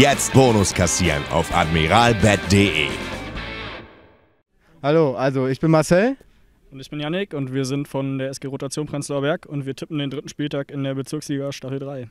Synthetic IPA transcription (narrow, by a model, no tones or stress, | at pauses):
jɛt͡st̚b̥oːnʊskʰasiːʁəna̰ʊfa̰dmiʁaːlbɛt̚d̥eʔḛː | haloːʔalzoɪçb̥ɪnmaɐsɛl | ʊntɪçb̥ɪnjanɪkʊntv̥iːɐzɪntfɔndeːɐɛsɡ̥eːʁotat͡sjoːnpʁ̥ɛnt͡sloɐbɛɐkʊntv̥iːɐtʰɪpm̩deːndʁɪtn̩ʃpiːltaːkɪndeːɐbət͡sɪɐksliːɡaʃtafl̩dʁaɪ